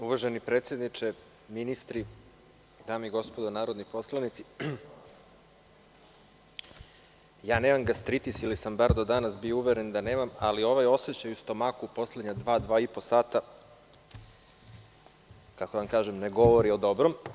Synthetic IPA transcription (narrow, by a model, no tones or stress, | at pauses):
uʋaʒenipɾet̪sʲje̞d̪nit͡ʃe | minist̪ɾi | d̪aːmiɡo̞spo̞d̪onaːɾod̪nipo̞slˠanit̪si | jaːneːmamɡast̪ɾit̪isilisambaɾd̪o̞d̪anasbiouʋeɾend̪aneːmamalio̞ʋajo̞se̞t͡ɕajust̪o̞makupo̞sled̪ɲad̪ʋaːd̪ʋaːipo̞saːt̪a | kakoamkaːʒemneɡo̞ʋo̞ɾio̞d̪o̞bɾom